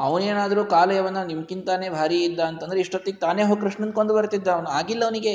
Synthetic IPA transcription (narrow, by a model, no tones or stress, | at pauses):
ɐʋneːnaːd̪ɐɾuːkaːlɐjɐʋɐnːɐnimɐkːint̪aːneːbʱaːɾiid̪ːaːnt̪ɐnd̪ɐɾeiʂʈot̪ːiɡet̪aːneːɦoːɡkɾuʂɳɐnkoɳd̪ubɐɾt̪id̪ːɐːʋnɐaːɡilːɐʋɐniɡe